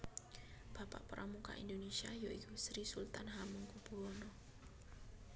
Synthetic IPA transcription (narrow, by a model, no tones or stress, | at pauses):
b̥a̤pa̰ʔpəɾʔamuka̰ʔḭndonesiajoiɡusɾisult̪anɦamuŋkub̥uonɔ